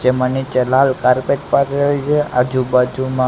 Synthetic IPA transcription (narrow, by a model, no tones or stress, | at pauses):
d͡ʒemanit͡ʃəlalkaɾpeʈ̚paɾelit͡ʃʰeʔad͡ʒubad͡ʒumã